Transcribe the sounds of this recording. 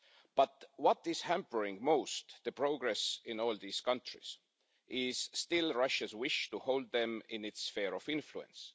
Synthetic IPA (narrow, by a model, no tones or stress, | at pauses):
b̥ʌt̪wʌt̪ɪz̥hæ̃mpə˞ɪ̃ŋɡmoʊst̪ðəpɹoɡɹesɪ̃noːlðiːskʌ̃ntɹɪ̰s | ʔɪz̥st̪ɪlɹɑʃəzwɪʃtuhowld̪̚ðɛ̃mɪ̃nɪtsfeːɹofɪ̃nfluɛ̰̃ns